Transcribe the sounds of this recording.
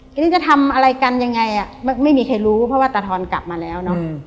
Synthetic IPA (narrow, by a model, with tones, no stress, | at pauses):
a˧niː˥˩t͡ɕa˨˩t̪ʰa˧mʔa˧ɾa˧jka˧nja˧ŋːa˧jʔa˨˩ma˥˩ma˥˩jmiː˧kʰa˧jɾuː˦˥pʰɾɔ˦˥waː˥˩t̪a˧t̪ʰɔː˧nka̰˨˩p̚maː˧lɛː˦˥wnɔ˦˥